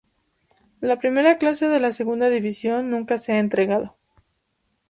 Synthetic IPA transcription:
lapɾime̞ɾaklase̞ðe̞lase̞ɣund̪aðiβisjo̞nːũŋkase̞aent̪ɾe̞ɣað̞o̞

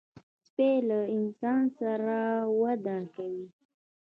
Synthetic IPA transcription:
spelaɪnsɑnsaɾawad̪akawi

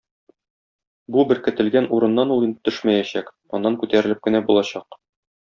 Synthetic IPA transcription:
bubɘɾkɘ̆t̪ɘ̆lɡænuɾɤ̆nːɑnulˠɤnt̪ɵʃmæjæɕæk | ɒ̰nːɑŋkʉt̪æɾɘ̆lɘp̚kɘ̆næbulˠɑɕɑq

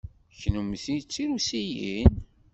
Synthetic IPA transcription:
çnuməθit͡sːiɾusijin

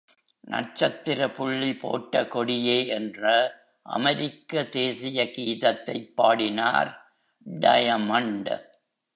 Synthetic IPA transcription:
nʔɐ̰r̚t͡ʃɐt̪ːɪɾɐpʊɭːipo̰ːʈːɐkɔɽɪjeːʔɛndrɐ | ʔɐ̰mɐɾɪkːɐd̪eːsɪjɐkiːðɐt̪ːɐɪpːaːɽɪna̰ːɾ | ɖɐ̰jɐmɐɳɖ

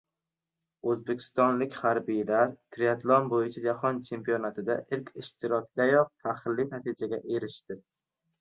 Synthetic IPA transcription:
ɵzbekʲʰɪ̥st̪ɒnlɪkʲhaɾbijlaɾt̪ʰɾijat̪lˠɒnbojɪt͡ʃʰad͡ʒahɒnt͡ʃʰe̞mpʰijɒnat̪ʰɪd̪aʔɪlkʲɪʃt̪ʰɪɾɒk̚ʲd̪̥ajɒq̚t̪ʰahlːɪnat̪ʰɪd͡ʒaɡʲaʔe̞ɾɪʃt̪ɪ

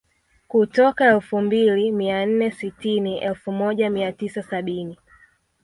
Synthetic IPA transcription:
kutɔkaɛlfumbilimian̩nɛsitiniʔɛlfumɔʄamiatisasaɓini

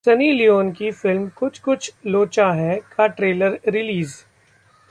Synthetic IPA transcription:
sɐniːlijoːnkifɪlmkʊt͡ʃʰkʊt͡ʃʰloːt͡ʃaɦɛkaʈɾeːləɾɾɪliːz

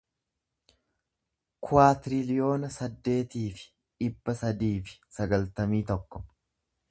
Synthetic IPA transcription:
kʰʊwaːt̪ɪɾɪlɪjo̞ːnɐsɐd̪ːe̞ːt̪iːfɪ̥ | ᶑɪbːɐsɐd̪iːfɪ̥sɐɡɐlt̪ɐmiːt̪ɔkːɔ̥

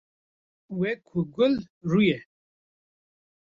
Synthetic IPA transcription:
wekʰuɡʊlɾuje

